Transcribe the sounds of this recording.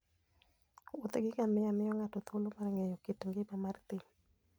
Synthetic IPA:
ot̪ɡɪkamɪjamɪjɔŋatot̪ʰolomarŋɛjokɪtŋɡɪpamart̪ɪ

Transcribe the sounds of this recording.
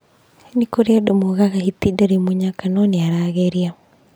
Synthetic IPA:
nikoɾeadomoɣaɣahit̪idaɾimuɲakanɔneaɾaːɣɛɾia

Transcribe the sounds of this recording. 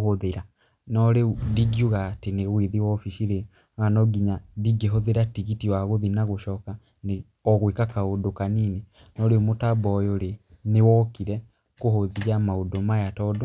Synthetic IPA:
oðeɾa | nɔɾediɡiuɣateneɣweðiwɔfisiɾe | anɔɡiɲadiɡeɦoðeɾatiɣitiwaɣoðinaɣoʃɔːka | ne | ɔɣwekakaodokanine | nɔɾemotabɔːjoɾenewɔkiɾɛ | kohoðiamaodomajatɔdo

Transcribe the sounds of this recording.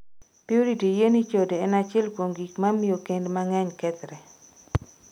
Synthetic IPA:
piuɾitijenit͡ʃodeɛnat͡ʃɛlpwoŋɡikmamiokendmaŋɛɲkɛt̪ɾɛ

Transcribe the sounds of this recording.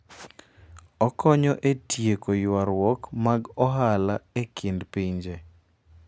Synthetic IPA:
ɔkɔɲɔʔetjekojwaɾwɔkmaɡɔɦalaekʰɪndpiɲd͡ʒe

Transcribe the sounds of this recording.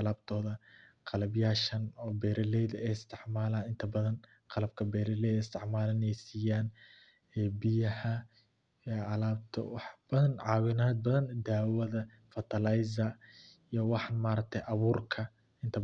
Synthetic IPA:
ɑlaːb̚t̪ʰɔːðɐqɑlɐbjaːʃɐnɔːbɛːɾɛlɛjðɐɛjɪst̪ʰɪʕmaːlaːnɪnt̪ʰɐbɐðɐn | qɑlɐb̚kʰɐbɛːɾɛlɛjðɪst̪ʰɪʕmaːlɐnɛjsiːjaːn | ɛbɪjɐhɐ | ɛɐlaːb̚t̪ʰɐ̰wɑħb̥ɐðɐnʕɑːwɪnaːd̪̚bɐðɐnd̪aːwɐðɐ | fɐt̪ʰɐlɐjz̬ɐ | ijɞwɑħnmaːɾɐk̚t̪ʰɛʔɐβuːrkʰɐ | ɪnt̪ʰɐ

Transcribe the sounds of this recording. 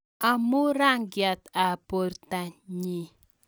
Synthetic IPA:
amuɾaŋɡijat̪ab̥ɔɾt̪aɲi

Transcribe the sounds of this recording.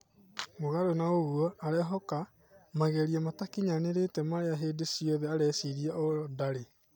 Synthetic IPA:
moɣaɾonaoɣuɔaɾɛɦɔka | maɣɛɾiamatakiɲaneɾetɛmaɾeaɦeːdesiɔðɛaɾɛsiɾiaʔɔdaɾe

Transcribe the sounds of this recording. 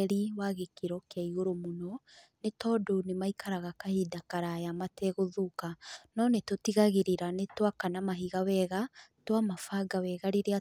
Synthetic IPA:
ɾiwaɣekiɾɔkeaiɣoɾomonɔnetɔdonemaikʰaɾaɣakahidakaɾajamatɛɣoðukanɔnetotiɣaɣeɾeɾanetwakanamaɦiɣawɛɣa | twamafaɡawɛɣaɾeɾea

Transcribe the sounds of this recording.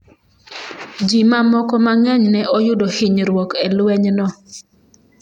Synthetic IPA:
d͡ʒimamɔkɔmaŋɛɲnɛʔɔjʊdɔhɪɲɾwɔkɛlwɛɲnɔ

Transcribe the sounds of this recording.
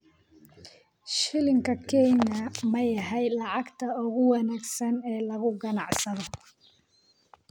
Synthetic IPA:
ʃɪlɪŋkʰɐkʰɛjnɐmɐjɐɦɛjlɑʕɑɡt̪ʰɐʊɣʊwɑnæːɡsɐnɛːlɐɣʊɡɐnɑʕsɐðɔ

